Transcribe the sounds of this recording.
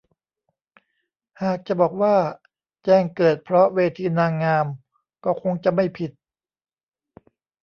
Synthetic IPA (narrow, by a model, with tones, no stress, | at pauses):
haː˨˩k̚t͡ɕa˨˩bɔː˨˩k̚waː˥˩ | t͡ɕɛː˧˩ŋkɤː˨˩t̪̚pʰɾɔ˦˥weː˧t̪ʰiː˧naː˧ŋːaː˧m | kɔː˥˩kʰo˧ŋt͡ɕa˨˩ma˥˩jpʰi˨˩t̪̚